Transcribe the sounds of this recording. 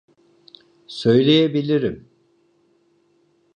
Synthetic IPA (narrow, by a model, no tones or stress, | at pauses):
sø̞jlʲejebilʲiɾim